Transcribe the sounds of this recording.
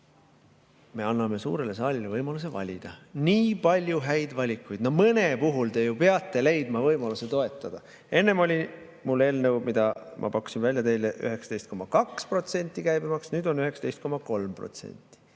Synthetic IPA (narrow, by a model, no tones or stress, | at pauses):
me̞ɑnːɑme̞sṵːɾe̞le̞sɑːlʲilevɤjmɑlus̬e̞vɑ̰lʲḭd̪̥ɑ̰niːpɑlʲjuɦæjd̪̥vɑlʲikːˑujd̪̥no̞mɤnepuɦult̪e̞jupe̞ɑt̪ːˑe̞le̞jd̪mɑvɤjmɑluse̞t̪o̞e̞t̪ːˑɑd̪̥ɑ | e̞nːe̞mo̞lʲi | mulːe̞ːlnewmid̪̥ɑmʔɑ̰pɑku̥sinvælʲjɑt̪e̞jleʔy̰ɦe̞ksɑ̥t̪ejst̪ko̞mːɑkɑkspro̞t̪se̞nʲt̪ˑːikæjbimɑksnyːd̪̥o̞nyɦeksɑt̪e̞jst̪̚ko̞mɑko̞lmpro̰t̪se̞̰nʲt̪ːˑi̥